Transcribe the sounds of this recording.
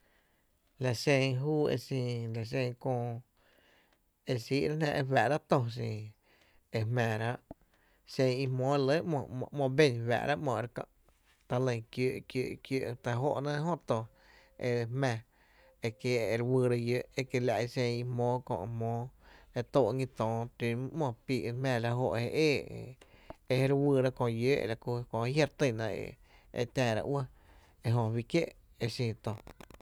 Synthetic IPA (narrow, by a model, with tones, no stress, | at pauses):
la˨sẽ˧ŋɦuː˦ḛ˧sĩ˧la˨s̬ẽ˧ŋ˧kõː˧ | e˧siː˦ʔɾa˦nã˧ʔe˧fæ˨ʔɾa˦ʔt̪õ˧s̬ĩ˨ | e˧hmæ̃ː˨ɾa˦ʔ | sẽ˧ŋi˧mõː˦e˧lə˦mɔ̃˧˨˧mɔ̃˧˨bẽ˦˧˨nwa̰ː˨ʔɾa˦ʔmɔ̃˧˨˧ɾkã̰˧ʔ | t̪a˧lə̃˧ŋkjoː˧˨ʔkjoː˧˨ʔkjoː˧˨ʔt̪a˧ɦo̰˦ʔnã˦ɦõ˦t̪õ˧ | ḛ˧hmɛ̃˧˨ | e˧kje˧ɾwɨː˧ɾa˧jøː˧˦ʔe˦ke˧la˧ʔi˧sẽ˧i˧mõː˦kõ̰˧˨ʔmɔ̃ː˨˦e˧t̪oː˧ʔŋĩ˧t̪ɔ̃ː˨t̪i˧m˦mɔ̃˧˨piː˧˨ʔmɛ̃ː˧˨˧la˧ɦo˧ʔhe˧ʔeː˦˨ | e˧he˧ɾwɨː˧ɾa˦kõ˧˨˧jøː˦ʔla˧ku˧kõ˧˨˧ja˦ɾt̪ə˧˨nã˧ḛ˧˨ | ḛ˧t̪ãː˧˨ɾa̰˧ʔwə˦ | e˧ɦõ˧wi˧kje˦ʔ | e˧sĩː˧˨t̪o˨